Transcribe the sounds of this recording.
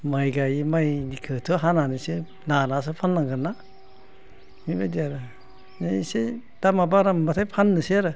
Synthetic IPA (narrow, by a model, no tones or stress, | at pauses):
majɡajimajnikʰɯtʰɯɦananisɯ | nanas̬ɯpʰanːaŋɡɯna | mibadiaɾɯ | neise | d̥amabaɾambatʰajpʰanːɯseaɾɯ